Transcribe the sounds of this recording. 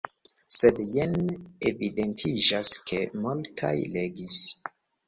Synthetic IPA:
sedjenevidentʰid͡ʒaskʰe̞multʰa̰jleɡis

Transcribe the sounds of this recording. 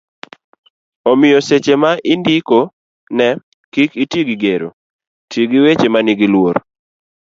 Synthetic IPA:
omɪjɔset͡ʃemaʔɪndɪko | nɛ | kikitjeɡiɡeɾo̰ | tjeɡiwet͡ʃemaniɡilwoɾ

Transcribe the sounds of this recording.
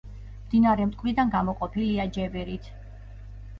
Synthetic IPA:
md̪inaɾɛmt̪ʼkʼvɾid̪anɡamɔqʼɔpʰiliad͡ʒɛbɛɾit̪ʰ

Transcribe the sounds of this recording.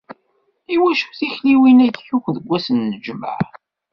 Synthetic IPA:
iwæʃu̥θiçliwinætjuçʷðəɡʷːæsənːəd͡ʒmə̰ʕ

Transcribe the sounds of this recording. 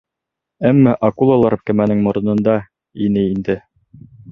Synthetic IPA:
æmːæʔɑkulˠalˠɑɾp̚kæmænɘŋmŏɾɤ̆nɤ̆nd̪ɑ | inɘind̪ɘ

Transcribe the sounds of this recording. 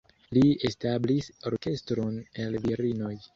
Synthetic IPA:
liestablisoɾke̞stɾonelviɾinoj

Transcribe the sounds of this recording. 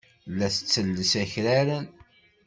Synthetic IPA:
lːæθə̥t͡sːəlːəsæçɾæɾən

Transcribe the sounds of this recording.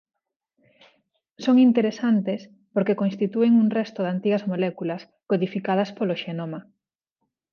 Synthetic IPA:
soŋint̪eɾesant̪es | poɾkekonst̪it̪ueŋuŋrɛst̪oðant̪iɣɐzmolɛkulɐs | koðifikað̞ɐspoloʃenomɐ

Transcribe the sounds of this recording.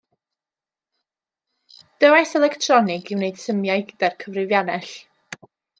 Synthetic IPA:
d̥əwajsɛlˠɛktʰrɔnɪɡɪwneɨd̥səmjajɡdɛrkʰəvrɨvjanɛɬ

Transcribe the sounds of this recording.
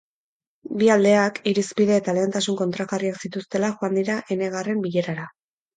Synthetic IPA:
biald̪e̞akiɾispiðe̞ːt̪ale̞ːnt̪asuŋko̞nt̪ɾaɣariaksit̪ust̪e̞laʝoand̪iɾaʔe̞ne̞ɣ̞are̞mbiʎe̞ɾaɾa

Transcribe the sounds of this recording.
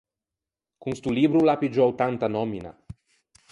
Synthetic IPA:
kunst̪ulibɾulapid͡ʒɔwt̪ant̪anɔmina̰

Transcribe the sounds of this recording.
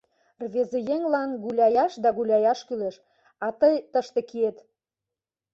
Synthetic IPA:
rβezejeŋlɑnɣulʲɑjɑʃd̪ɑɣulʲɑjɑʃkyleʃ | ɑt̪əjt̪əʃt̪ĕkiet̪

